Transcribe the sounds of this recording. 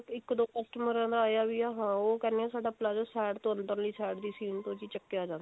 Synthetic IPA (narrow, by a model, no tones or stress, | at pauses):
ɪkːd̪oːkəsʈəməɾãːd̪aːjaːbiːaːɦãːoːkɛːneɛːsaːɖaːplaːd͡ʒoːsɛːɖt̪õːənd̪əɾliːsɛːɖd̪iːsiːnt̪õːd͡ʒiːt͡ʃəkːejaːd͡ʒãːna